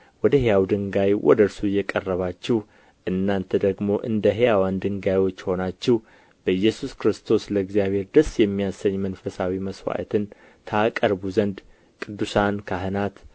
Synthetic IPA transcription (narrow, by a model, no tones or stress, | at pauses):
wɔd̪əɦejawd̪ɨŋɡajwʔɔ̰d̪əɾsujːɛkʼərːəβat͡ʃːɪh | ʔɨnːant̪ʰəd̪əɡmo̞ʔɨnd̪əɦejawand̪ɨŋɡajwo̞t͡ʃːho̞nat͡ʃːɪh | b̥əɨjːɛsuskɾɨst̪ʰo̞sləɨɡzijaβhe̞ɾd̪əsjɛmːijasəɲːmənfəsawiməswa̰ʔt̪ʰɨn | t̪ʰəakʼəɾbuzənd̪ | kʼɨd̪ːusankʰaɦɨnat̪